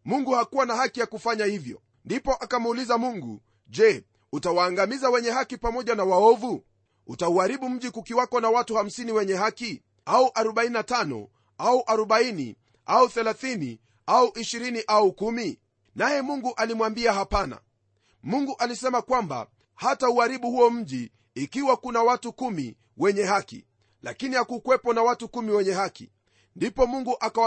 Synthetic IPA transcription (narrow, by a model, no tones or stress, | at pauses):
muŋɡuhakuwanaɦakijakufaɲahivjɔ̰ | ndipɔʔakamːlizamuŋɡṵ | ʄɛ | utawaːŋɡamizawɛɲɛɦakipamɔʄanawaɔvu | utauaɾiɓum̩ʄikukiwakɔnawatuham̩siniwɛɲɛhaki | auʔaɾɔɓaininatanɔ̰ | auʔaɾɔɓainḭ | ʔauθɛlaθinḭ | auʔiʃiɾiniʔaukumi | najɛmuŋɡuʔalimwambiahapana̰ | muŋɡuʔalisɛmakwamba̰ | hatauaɾiɓuhuɔm̩ʄiː | kiwakunawatukumḭ | wɛɲɛhakḭ | la̰kinijakukwɛpɔnawatukumiwɛɲɛhakḭ | ndipɔmuŋɡuʔaka